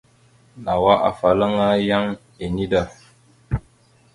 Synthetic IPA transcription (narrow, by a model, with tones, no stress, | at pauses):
na˨wa˦ʔa̰˨fa˨lə˦ŋa˦ja˦ŋ | e˨ni˦da˨